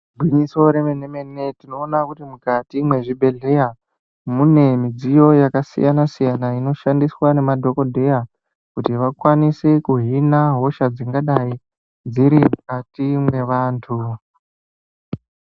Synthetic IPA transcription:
ɡʱwiɲiso̞ɾemeneme̞ne̞tino̞ːnakutimukatimwe̞ʐibʱe̞ɮe̞ja | mune̞mid͡zijo̞jakasḭjanasijanaino̞ʃandiswane̞madʱo̞ko̞dʱe̞ja | kutiʋakwanisekuɦinaɦo̞ʃad͡ziŋɡaɗai | d͡ziɾimukatimwe̞ʋaːntʰu

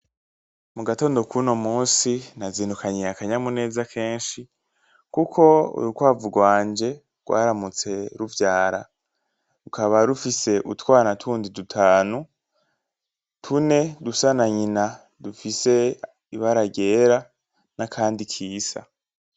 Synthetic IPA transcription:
muɡato̞ːndo̞kʰuno̞muːnsinaziːnukʰaɲiakaɲamune̞ːzakʰe̞ːnʃi | kukʰo̞ṵɾukwaːvuɡwaːɲd͡ʒe̞ | ɡ̥wa̰ːɾamut͡se̞ɾuvjaːɾa̰ | ɾukʰaβaɾufise̞ʔutwaːnatʰuːndidutʰaːnu | tʰune̞dusanaɲina | dufise̞ | iβaɾaɟe̞ːɾa | nakʰaːndikʰiːsa̰

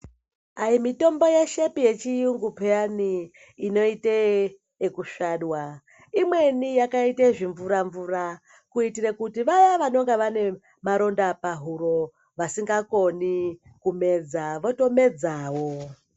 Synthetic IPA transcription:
aimito̞mbo̞jeʃe̞pije̞t͡ʃijuŋɡupeaniː | no̞iteː | kuʃaːɗwa | imwe̞nijakaiteʐiɱvuɾaɱvura | kuitirekutiʋajaʋano̞ŋɡeʋane̞ | maɾo̞ndapaɦuɾo̞ | ʋasiŋɡako̞ni | kume̞d͡zaʋo̞to̞me̞d͡zaːwo

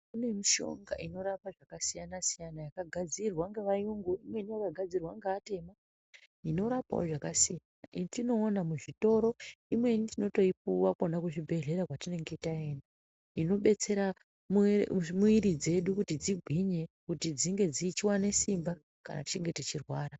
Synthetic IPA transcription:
kune̞miʃo̞̰ŋɡa̰ino̞ɾapaʐakasijanasijanajakaɡʱad͡zirwaŋɡeʋajuŋɡuimwe̞nijakaɡʱad͡zirwaŋɡeːte̞ma | ino̞ɾapa̰o̰ʐakasijanaʔitino̞ːnamuʐito̞ɾo̞imwe̞nitino̞to̞ip̚uwakonakuʐibʱe̞ɮe̞ɾakwatine̞ŋɡe̞itae̞ːna | ino̞ɓe̞t͡se̞ɾa | mmuiɾid͡ze̞ɗukutid͡ziɡʱwiɲe̞kutid͡ziŋɡe̞d͡ziːt͡ʃiwane̞simba | ka̰na̰ti̥t͡ʃeŋɡe̞tet͡ʃirwaːɾa

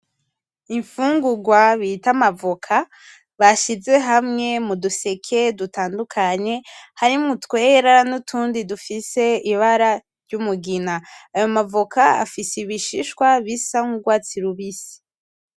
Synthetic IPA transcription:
iɱfuːŋɡuɡwaβitamavokʰa | βaʃize̞ɦamŋe̞muduse̞kʰe̞dutaːndukʰaɲe̞haɾimutwe̞ːɾanutʰuːndidufise̞iβaɾa | ɾɟumuɡinaːjo̞mavokʰaa̰fisiβiʃiʃkwaβisaŋuɡwaːt͡siɾuβisi̥

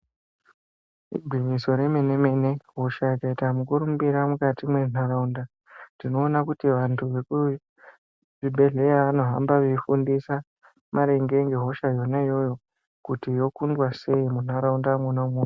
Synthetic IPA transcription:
ḭɡʱwiɲiso̞ɾe̞me̞ne̞me̞ne̞ɦo̞ʃaikaitamukuɾumubiɾamukatimwe̞n̥aɾaunda | ndino̞ːnakutiʋantʰuʋeku | ʐibʱe̞ɮe̞jaʋano̞ɦambaʋeifundisa | maɾe̞ŋɡe̞ŋɡe̞ɦo̞ʃajo̞najo̞jo̞ | kutijo̞kundwase̞imun̥aɾaundamunomuno

